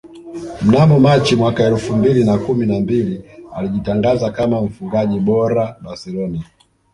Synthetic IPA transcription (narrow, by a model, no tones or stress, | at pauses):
m̩namɔmat͡ʃimwakaɛlfumbilinakuminambilialiʄitaŋɡazakamaɱ̩fuŋɡaʄiɓɔɾaɓasɛlɔnia